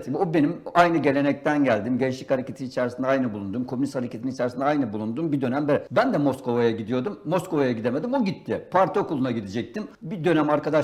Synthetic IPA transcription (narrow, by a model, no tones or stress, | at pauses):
t̪obe̞nimajnɯɟe̞lʲe̞nɛc̚t̪ʰænɟælʲd̪imɟelʲiʃ̬lʲichaɾecʰet̪ʰinit͡ʃʰɛɾsind̪ɛajnɯbulˠund̪umkʰo̞mynist̪haɾecʰet̪init͡ʃʰɛɾsind̪ajnɯbulˠund̪umbid̪ø̞næmbeɾɛbænd̪ɛmoskʰo̞vajaɟid̪ijo̞d̪umːosko̞vajaɟid̪e̞me̞d̪imoɟit̪ʰːɪpʰaɾt̪ʰokʰulˠunaɟid̪id͡ʒɛc̚t̪ʰimbid̪ø̞næmaɾkʰad̪a